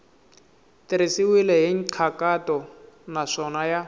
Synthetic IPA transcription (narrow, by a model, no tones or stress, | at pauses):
tiɾisiwilɛɦiŋ̩ǀʰakatɔnaʂɔnaja